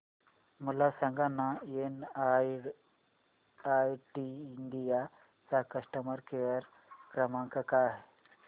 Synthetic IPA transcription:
mulasə̃ŋɡanːaen | ajʈiːɳɖija | t͡sakəʂʈəməɾkejəɾ | kɾəmãŋkakaɦe

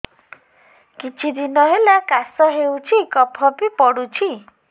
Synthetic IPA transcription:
kit͡ʃʰid̪inɔɦelakasɔɦewt͡ʃʰikɔpʰɔpipɔɽut͡ʃʰi

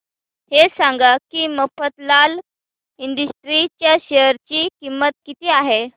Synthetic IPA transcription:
hesãŋɡakiːməfət̪lal | iɳɖəsʈɾit͡ɕjaɕeəɾt͡ɕiːkimːət̪̚kit̪iːaɦe

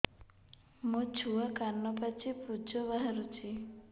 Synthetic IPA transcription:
mũt͡ʃʰuakanːɔpat͡ʃipud͡ʒɔβaɦaɾut͡ʃʰi

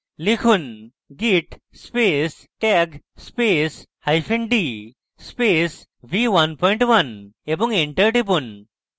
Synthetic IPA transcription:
likʰun | ɡiʈ | spes | ʈeɡspeshajpʰeɳɖi | spesʋiwɐnpʰɔjɳʈʋɐneboŋeɳʈəɾʈip̬un

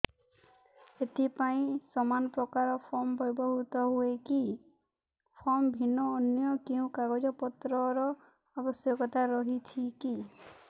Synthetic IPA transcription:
et̪ipaĩsɔmanɔpɾɔkaɾɔpʰɔɾmbɔjbɔɦut̪ɔɦueki | pʰɔɾmbʱinɔːnjɔkeũkaɡɔd͡ʒɔpɔt̪ɾɔɾɔ | abɔsjɔkɔt̪ʰaɾɔɦit͡ʃʰiki

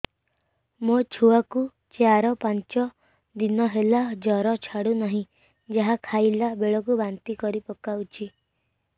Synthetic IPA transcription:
mot͡ʃʰuaku | t͡ʃaɾɔpant͡ʃɔ | d̪inɔɦelad͡ʒɔɾɔt͡ʃʰaɽunaɦĩ | d͡ʒaɦakʰajlabeɭɔk̬ubant̪ikɔɾipɔkawt͡ʃʰi

